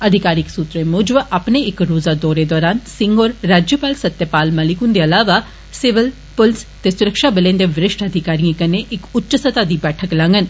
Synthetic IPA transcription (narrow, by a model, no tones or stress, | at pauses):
əd̪ʱɪkaːɾɪksuːt̪ɾemʊːd͡ʒʋʔapneɪkɾoːzaːd̪ɔːɾed̪ɔːɾaːnsɪ̃ŋɡoːɾːaːd͡ʒjəpaːlsət̪ːjəpaːlməlɪkʊnd̪eːɐlaːʋa | sɪʋɪl | pʊlst̪eːsʊɾəkʃaːbəlẽːnd̪eːʋɾɪʃʈəd̪ʱɪkaːɾiãkəneʔɪkʊtːt͡ʃəsət̪aːd̪iːbɛːʈʰəklãːŋɡən